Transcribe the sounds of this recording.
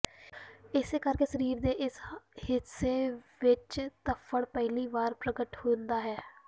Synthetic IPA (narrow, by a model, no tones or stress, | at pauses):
ɪseːkəɾkeːsəɾiːɾd̪eːʔɪshɪseːʋɪt͡ʃt̪əpʰːəɽpɛɦliːbaːɾpɾəɡəʈhõːnd̪aːɦɛː